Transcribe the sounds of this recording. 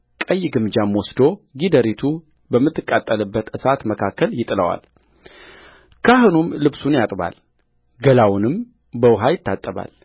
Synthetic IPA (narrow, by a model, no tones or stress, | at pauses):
kʼəjːɪɡɨmd͡ʒamwɔsd̪o̞ɡid̪əɾit̪ʰu | bəmːɨt̪ʰːɨkʼːat̪ʼːəlɨbːət̪ɨsat̪məkʰakːəljɪt̪ʼɨləwa̰l | kʰaɦɨnumlɨβsunjat̪ʼba̰l | ɡəlawʊnɨm | bəwɦajɪt̪ʰːat̪ʼːəβa̰l